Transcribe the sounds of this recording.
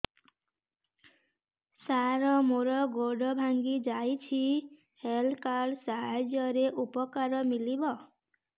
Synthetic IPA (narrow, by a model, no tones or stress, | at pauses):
saɾɔmoɾɔɡoɖɔbʱaŋɡid͡ʒajt͡ʃʰi | helkaɖsaɦad͡ʒjɔɾeʔupɔkaɾɔmilibɔ